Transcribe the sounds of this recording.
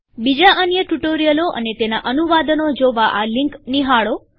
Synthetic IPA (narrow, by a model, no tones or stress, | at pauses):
bid͡ʒaʔənjəʈuʈoɾijəloʔə̰net̪enaʔənuʋad̪ənod͡ʒoʋaʔaliŋkniɦaɭo